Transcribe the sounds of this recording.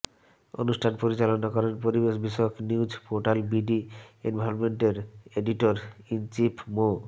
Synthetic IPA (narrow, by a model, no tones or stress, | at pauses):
o̰nuʃʈʰanpoɾit͡ɕalonakɔɾenpoɾibeʃbiʃɔokniwd͡ʑpoɾʈalbiɖienbʱaɾonmeɳʈeɾeɖiʈoɾint͡ɕipʰmo